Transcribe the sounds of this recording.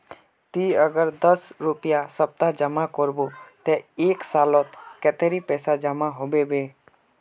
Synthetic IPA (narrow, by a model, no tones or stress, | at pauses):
t̪iəɡəɾd̪əsɾupɪjasəb̚t̪ad͡ʒəmakɔɾbot̪eeːksaːlɔt̪kɛt̪eɾipɛːsad͡ʒəmaɦobebeː